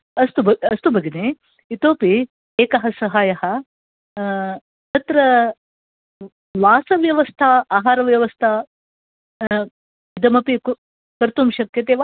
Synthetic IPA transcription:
ɐst̪ubɐɐst̪ubɐɡine | it̪oːpi | eːkɐɦɐsɐɦaːjɐɦɐ̆ | t̪ɐt̪ɾɐ | ʋaːsɐʋjɐʋɐst̪ʰɐaːɦaːɾɐʋjɐʋɐst̪ʰɐ | id̪ɐmɐpik | kɐɾt̪umʃɐkʰjɐt̪eːʋa

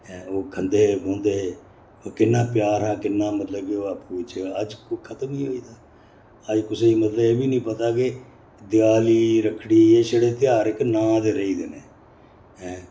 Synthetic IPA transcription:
ɦɛ̃ːoːkʰənd̪eːbõːnd̪eːɦeː | oːkɪnːaːpjaːɾɦaːkɪnːãːmət̪ləbkɪoːapuːɪt͡ʃəd͡ʒkokʰət̪əmiːɦoːiːd̪aː | əd͡ʒkʊseːimət̪ləeːbiːnĩːpət̪aːke | d̪jaːliːɾəkʰːɽiːɦieːʃəɽeːt̪ɪjaːɾɪknãːd̪eːɾəiːd̪enẽː | ɦɛ̃ː

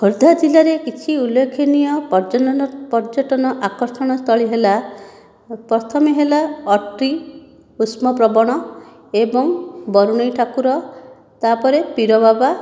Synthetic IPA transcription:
ɦuɾd̪ʱad͡ʒilaɾekit͡ʃʰiulːekʰːinijɔpd͡ʒɔpɔɾd͡ʒɔʈɔnɔʔakɔɾsɔɽ̃ɔst̪ʰɔɭiɦela | pɾɔt̪ʰɔmiɦelaɔʈɾi | usmɔpɾɔbɔɽ̃ɔ | ebɔŋbɔɾuɽ̃ɔjʈʰakuɾɔ | t̪apɔɾepiɾɔbaba

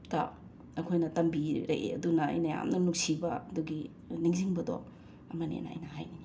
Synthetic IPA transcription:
tɐ̰ | ɐkʰojnɐtɐmbiɾɐ̰ʔḛɐ̰dunɐɐ̰jnɐja̰mnɐnuk̚sibɐɐduɡi | niŋziŋbɐdo̰ | ɐmɐnḛnɐɐ̰jnɐɦa̰jnini

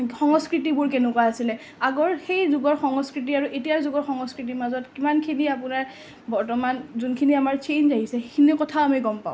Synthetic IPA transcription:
xɔŋɔskɹitibʊɹkenʊkwaasilɛ | aɡɔɹxejzuɡɔɹxɔŋɔskɹit̬iaɹuʔetijazuɡɔɹxɔŋɔskɹitimazɔtkimankʰiniap̬ʊnaɹ | bɔɹtɔmanzunkʰiniamaɹt͡ʃejnzaɦisɛkʰinɛkɔtʰaoamiɡɔmpaʊ̃

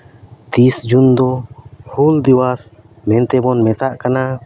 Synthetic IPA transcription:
t̪isd͡ʒund̪ɔhuld̪iwas | mɛ̃nt̪ɛbɔnmɛt̪aʔkana

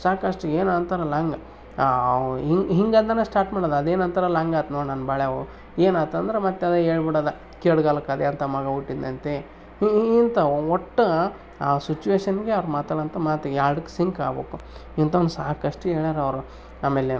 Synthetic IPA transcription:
saːkɐʂʈueːnant̪ɐɾɐlɐŋɡɐ | iŋɦiŋɡɐnd̪ɐnesʈaːɾʈmaːɽod̪ɐɐd̪eːnɐnt̪ʰɐɾɐlɐŋɡaːt̪noːɽnanbaːɭeɐʋu | eːnaːt̪ɐnd̪ɐɾemɐt̪ːad̪ɐɦeːɭbiɽɐːd̪ɐ | keːɽɡaːlɐkad̪eɐnt̪ɐmɐɡɐuʈːid̪ːɐnt̪e | iːnt̪ɐoʈːɐ | aːsit͡ʃuʋeːʃɐnɡeɐʋɾmaːt̪aːɭɐnt̪ɐmaːt̪jaːɾɽukːe̥siŋka̰ːboːkuint̪ɐond̪usaːkɐʂʈueːɭaːɾeɐʋɾu | aːmeːle

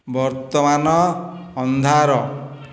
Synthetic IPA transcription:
bɔɾt̪ɔmanɔːnd̪ʱaɾɔ

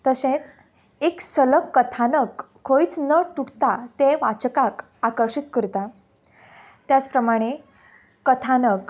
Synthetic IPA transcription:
t̪əsẽt͡s | eksələkːət̪ʰanəkʰː | oit͡snət̪uɽt̪at̪eʋat͡ɕkak | akəɾɕit̪kəɾt̪a | t̪jat͡spɾəmaɽ̃e | kət̪ʰanək

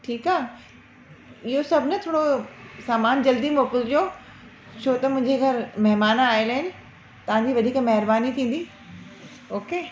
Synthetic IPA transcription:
ʈʰiːkaː | ɪɦosɐbʱɪnət̪ʰoːɽosaːmaːnd͡ʑɐld̪imoːkɪld͡ʑoː | t͡ɕʰot̪ɐmʊ̃ɦɪ̃ɲd͡ʑeɡʰʱɐɾmɐɦmaːnaːelaːɦɪnɪ̆ | t̪ɐʋ̤ãɲd͡ʑiːʋɐd̪ʱiːkmɐɦɪɾbaːnit̪ʰĩːn̆d̪iː | oːkeː

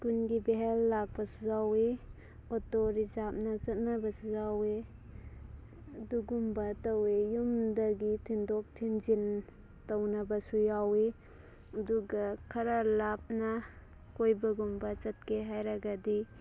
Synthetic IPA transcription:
kunɡibeɦelːak̚pɐsuzawe | ɔtoɾizap̚nɐt͡ʃɐt̚nabɐsujawe | ɐduɡumbɐtɐwejumdɐɡitʰindɔk̚tʰinzin | tɐwnɐbɐsujawe | ɐduɡɐkʰɐɾalap̚na | kojbɐɡumbɐt͡ʃɐt̚kʰeɦajɾaɡadi

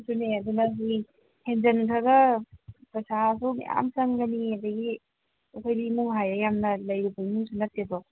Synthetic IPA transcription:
suneɐd̪unɐsi | hend͡ʒɐnkʰaɡɐpɾɐsas̬umḭja̰msɐŋɡɐniɐd̪ɐɡi | ɐkʰojdimuŋɦajɾɐjamnɐlɐjɾibɐimuŋsunɐt̚ːedɔ

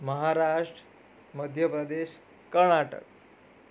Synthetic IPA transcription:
məɦaɾaʂʈ | məd̪ʱjəpɾəd̪eɕ | kəɾɳaʈə̰k̚

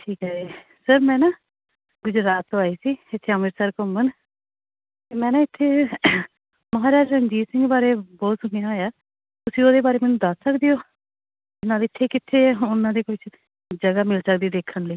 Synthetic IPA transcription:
ʈʰiːkɦɛːeː | səɾmɛ̃ːnaː | ɡʊd͡ʒɾaːt̪ːoaːiːsiːɪt̪ʰːeːəmɪɾsaːɾkomən | t̪eːmɛ̃ːnãːɪt̪ʰːeː | məɦaːɾaːd͡ʒsənd͡ʒiːsɪ̃ŋɡbaːɾeːbɔːt̪sʊnijãːjaː | t̪ʊsĩːoːd̪eːbaːɾeːmɛːnũːd̪əsːəkd̪ijoː | ɪnaːlɪt̪ʰːeːkɪt̪ʰːeːʊnãːd̪eːkʊt͡ʃ | d͡ʒəɡaːmɪlsək̚d̪iːd̪eːkʰːənləiː

